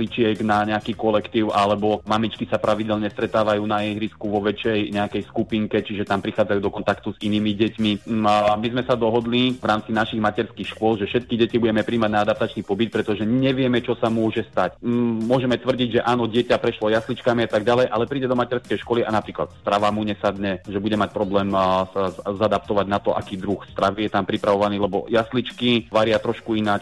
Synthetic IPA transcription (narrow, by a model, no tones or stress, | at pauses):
it͡ʃɪɛɡnaɲɛakiːkɔlɛkt̪iːʊʔalɛbɔmamit͡ʃkisapɾʔaʋiɟɛlɲɛst̪ɾɛt̪aːʋajuːnaɛɦɾiskuʋɔʋɛt͡ʃɛjɲɛakɛjskupiŋkɛt͡ʃiʒɛt̪ampɾixaːd͡zajud̪ɔkɔnt̪akt̪uziniːmiɟɛcmimizmɛsad̪ɔɦɔd̪liʋɾaːmt͡sinaʃiɣmacɛɾskixʃkʊɔlʒɛfʃɛt̪̚kiɟɛcibuɟɛmɛpɾiːmaɟnaad̪ap̚t̪at͡ʃnipɔbit̪̚pɾɛt̪ɔʒɛɲɛʋɪɛmɛt͡ʃɔsamʊɔʒɛst̪acmʊɔʒɛmɛt̪ʋr̩ɟiɟʒɛʔaːnɔɟɪɛcapɾɛʃlɔjaslit͡ʃkamiat̪aɡɟalɛjʔalɛpɾiːɟɛd̪ɔmacɛɾskɛjʃkɔliʔanapɾiːkla̰t̪st̪ɾaʋamuɲɛsad̪ɲɛʒɛbuɟɛmac̚pɾɔblɛːmsazad̪apt̪ɔʋaɟnat̪ɔʔa̰kiːd̪ɾuxst̪ɾaʋijɛt̪ampɾipɾaʋɔʋaniːlɛbɔ̰jaslit͡ʃkiʋaɾɪat̪ɾɔʃkuinat͡ʃ